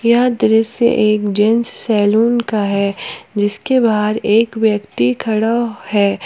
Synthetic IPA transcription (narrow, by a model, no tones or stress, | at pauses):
jɐɦãd̪ɪɾəsḛʔeːkd͡ʒɛ̃nssɛːluːnkaɦɛd͡ʒɪskebaːd̪eːkʋjɐkt̪ikʰɐɽahɛː